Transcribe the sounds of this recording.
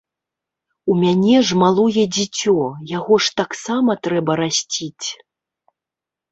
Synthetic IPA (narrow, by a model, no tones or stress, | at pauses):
umʲanʲɛʐmalˠɔjɛd͡zʲit͡sʲɔjaɣɔʂt̪aksamɐt̪ɾɛbɐɾasʲt͡sʲit͡sʲ